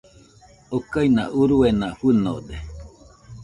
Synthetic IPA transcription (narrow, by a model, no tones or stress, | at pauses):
okainã̰ʔuɾuenaɸɨno̰d̪e